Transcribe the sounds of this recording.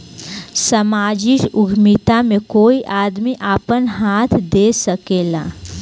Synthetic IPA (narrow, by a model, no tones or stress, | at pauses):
sɐmaːd͡ʒɪʃʊɡʱmɪt̪amẽkoːiʔaːd̪miʔaːpənɦaːt̪ʰd̪eːsəkeːlaː